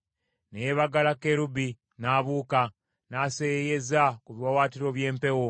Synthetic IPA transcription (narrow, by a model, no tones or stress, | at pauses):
nejeβaɡalake̞ɾubi | naːβuːka | naːsejejezakuβjwawaːtiɾo̞βje̞ːmpe̞wo